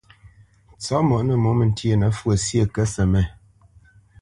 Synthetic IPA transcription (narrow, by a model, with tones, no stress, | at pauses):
t͡sɔ˨˦mɔ˨ʔnə˨mo˨˦mə˨n˦tje˦˨nə˨˦fwə˨sjə˦˨kɛ˦sə˨mɛ˨